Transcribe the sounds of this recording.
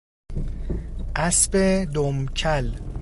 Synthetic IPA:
ʔæsbed̪omcʰæl

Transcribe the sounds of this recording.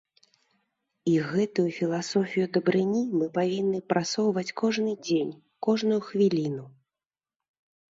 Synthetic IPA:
iɣɛt̪ujufʲilˠasɔfʲijud̪ɐbɾɨnʲimɨpavʲinːɨpɾasɔwvɐt͡sʲkɔʐnɨd͡zʲenʲ | kɔʐnujuxvʲilʲinu

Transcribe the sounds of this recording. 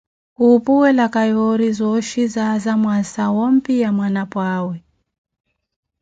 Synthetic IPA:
kupuwɛlakajɔɾizɔʃizazamwasawɔm̩pijamwanapwawɛ

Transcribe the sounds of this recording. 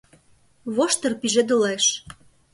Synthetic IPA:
βoʃt̪ɤ̆rpiʒĕd̪ɤ̆leʃ

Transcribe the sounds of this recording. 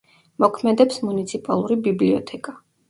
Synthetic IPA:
mɔkʰmɛd̪ɛpsmunit̪sʰipʼa̰lˠuɾibibliɔt̪ʰɛkʼa

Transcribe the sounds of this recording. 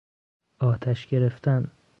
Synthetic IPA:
ɒːt̪ʰæʃɡe̞ɾeft̪ʰæn

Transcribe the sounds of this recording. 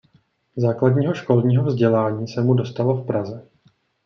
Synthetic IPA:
zaːkladɲiːɦo̞ʃko̞lɲiːɦo̞vzɟɛlaːɲiːsɛmudo̞st̪alo̞fpɾazɛ

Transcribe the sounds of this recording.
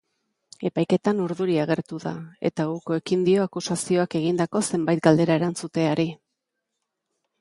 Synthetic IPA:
e̞pajke̞t̪anuɾðuɾiaɣ̞e̞ɾt̪uðae̞̰t̪auko̞e̞kind̪io̞akusasio̞ake̞ɣind̪ako̞se̞mbajt̪̚ɡald̪e̞ɾae̞ɾant͡sut̪e̞aɾi

